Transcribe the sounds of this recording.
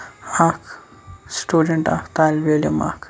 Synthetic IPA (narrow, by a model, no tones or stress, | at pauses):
akʰ | sʈuːɖeɳʈa̰kt̪aːlʋeljɐma̰ːk